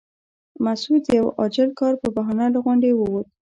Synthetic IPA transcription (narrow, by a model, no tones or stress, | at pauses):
masud̪d̪əjawɑd͡ʒɪlkɑɾpəbaɦɑnalaɣʊɳɖewəwot̪